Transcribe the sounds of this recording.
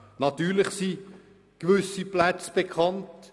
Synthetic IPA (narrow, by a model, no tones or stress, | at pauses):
nɑtyːɾlɪχsi | kʋʏsiplæt͡sb̥ekʰɑnt